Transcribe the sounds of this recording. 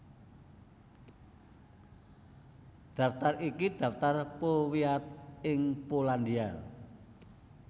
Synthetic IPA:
d̥a̤ft̪arikid̪̥ä̤ft̪arpowiat̪̚ɪŋpoland̪ial

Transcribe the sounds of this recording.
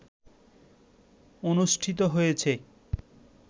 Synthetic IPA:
onuʃʈʰit̪̬oɦojet͡ɕʰe

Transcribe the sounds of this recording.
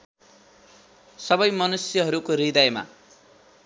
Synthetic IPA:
sʌbʌjmʌnusjʌɦʌɾukoɾid̪ʌjma̰

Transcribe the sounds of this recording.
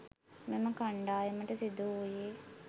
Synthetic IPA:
meməkaɳɖaːjeməʈəsid̪uujeː

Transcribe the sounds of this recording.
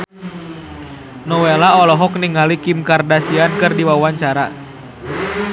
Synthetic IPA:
nɔwelaɔlɔɦɔk̚niŋalikimkardasiankɨrdiwawaɲt͡ʃaɾa

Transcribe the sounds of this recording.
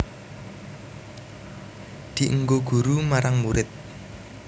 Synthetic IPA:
d̪̥i̤ʔəŋɡoɡ̥ṳɾumaɾaŋmuɾɪt̪̚

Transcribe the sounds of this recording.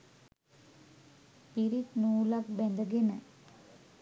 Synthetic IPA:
piɾit̪nuːlɐkbend̪ɐɡenɐ

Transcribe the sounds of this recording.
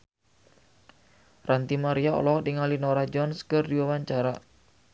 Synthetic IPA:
rant̪imaɾiao̰lɔhdiŋalinoɾad͡ʒɔnskɨrdiwawaɲt͡ʃaɾa

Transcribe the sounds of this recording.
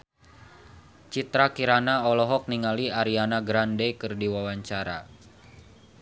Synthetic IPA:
t͡ʃit̪ɾakiɾanaɔlɔɦɔk̚niŋaliaɾianaɡɾandekɨrdiwawaɲt͡ʃaɾa̰

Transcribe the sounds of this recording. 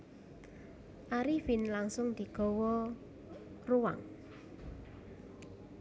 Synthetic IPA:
ʔaɾifinlaŋsʊŋd̪̥i̤ɡ̥ɔ̤wɔ | ruwa̰ŋ

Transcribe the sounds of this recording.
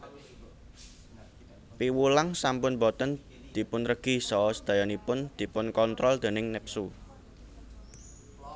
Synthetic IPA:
piwulaŋsampʊnbɔt̪ən | d̪̥i̤pʊnrəɡ̥i̤sɔsd̪̥a̤janipʊnd̪̥i̤pʊnkɔnt̪ɾɔld̪̥e̤nɪŋnɪp̚su

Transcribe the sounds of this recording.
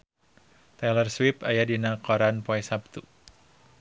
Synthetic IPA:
t̪ɛlərswipajadinakɔɾanpɔɛsap̚t̪u

